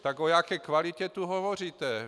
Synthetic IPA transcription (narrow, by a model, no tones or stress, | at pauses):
t̪akojakɛːkvalɪcɛt̪uɦovor̝iːt̪ɛ